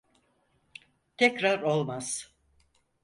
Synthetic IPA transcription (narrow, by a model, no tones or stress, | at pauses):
t̪ʰɛcɾaɾo̞lˠmaz̥